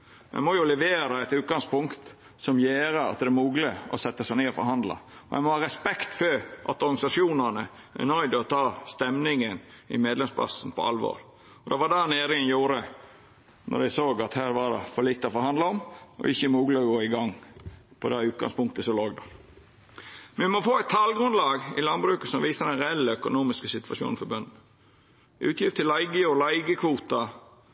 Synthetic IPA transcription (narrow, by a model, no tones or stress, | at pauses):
mæ̰ɪmɔjʊlɛʋeːɾɑɛt̪ʉːt̪̚ɡɑŋspʊŋkt̪ | sɔmjeːɾəɑ̰t̪̚d̪ɛæmuːɡlɪɔ̰sɛt̪ːəsæɪneːɔfɔɾɦɑnd̪lɑ̰ɔæ̰ɪmɔhɑːɾɛspɛkt̪føʔɑt̪ɔɾɡɑnɪsɑʃjuːnənə | æ̰ɾnœʏd̪ɔt̪ʰɑːst̪ɛmnɪŋənɪ̰meːd̪lɛmspʰlɑ̰sn̩pʰɔ̰ɑlʋo̰ːɾ | ɔd̪ɛʋɑd̪ɑneːɾɪŋənjuːɾə | nɔ̰ɾd̪æɪsoːɡɑt̪hæːɾʋɑd̪ɛ̰fɔlit̪ːəɔfɔɾhɑnd̪ləɔmɔ̰ʔɪçːəmuːɡlɪɔɡoːɪɡɑŋːpʰɔd̪æʉːt̪̚ɡɑ̰ŋspʊŋk̚t̪əsɔloːɡd̪ɛ | mɛʋʋɪmɔfoːæɪt̪ʰːɑːlɡɾʉnd̪lɑːɡɪ̰lɑnbɾʉːkəsɔmʋiːsəd̪ɛnɾɛɛlːəœkʊnuːmɪskəsɪt̪ʋɑʃjṵːnn̩fɔbœnd̪n̩ | ʔʉ̰ːt̪jɪft̪ʰɪlɑɪɡəɔlɑɪɡəkʰʋuːt̪ɑ